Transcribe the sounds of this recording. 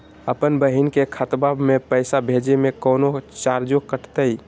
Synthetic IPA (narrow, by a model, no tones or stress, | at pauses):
əpənbəɦinkekʰət̪babmepəɪsabʱed͡ʒemekənot͡ʃaɾd͡ʒokəʈʰt̪əj